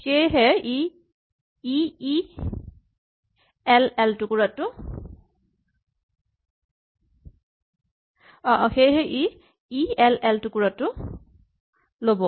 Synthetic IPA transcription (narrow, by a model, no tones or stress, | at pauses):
xejɦɛi | ii | ɛlɛltʊkuɹatʊ | ɔʔɔxejɦɛʔi | iɛlɛltukuɹatʊ | lobɔ